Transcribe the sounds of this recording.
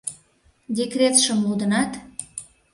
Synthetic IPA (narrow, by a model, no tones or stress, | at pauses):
dʲekrʲet̪ʃəmlud̪ənɑt̪